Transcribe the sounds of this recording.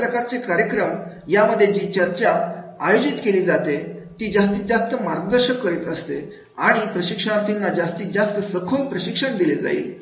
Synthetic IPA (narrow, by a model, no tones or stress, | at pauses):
pɾəkaɾt͡sekaɾjəkɾəm | jaməd̪ʱːjed͡ʑiːt͡ɕəɾt͡ɕaːjod͡ʑit̪keliːd͡zat̪et̪iːd͡zast̪iːd͡zast̪əmaɾɡəd̪əɾɕəkːəɾiːt̪əst̪e | aɽ̃ipɾəɕikʂəɽ̃at̪inːad͡zast̪iːd͡zast̪əsəkʰolpɾəɕikʂəɳd̪iled͡za̰ḭl